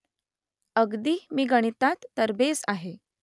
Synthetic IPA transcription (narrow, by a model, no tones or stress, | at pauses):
əɡd̪iːmiːɡəɽ̃it̪at̪ːəɾbesa̰ɦe